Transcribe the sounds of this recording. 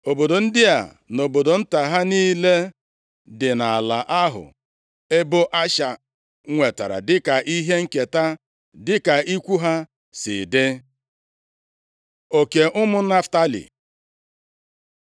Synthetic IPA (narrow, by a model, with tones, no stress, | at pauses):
o˨bo˨do˨n̩˦dɪ˦a̰˨ | no˨bo˨do˨n̩˦ta˨ɦa˦niː˦le˦ | dɪ˨na˨a˨la˨ʔa˦ɦʊ̰˨ | e˦bo˦ʔa˦ʃa˨˦ | ŋʷe˨ta̰˨ɾa̰˨dɪ˦ka˨ʔi˦ɦe˦ŋ̩˦ke˨ta˦ | dɪ˦ka˨i˦kʷu˦ɦa˦ | sɪ̰˨dɪ˦ | o˨ke˨ʔʊ˦mʊ˦na˦fta˦lḭ˨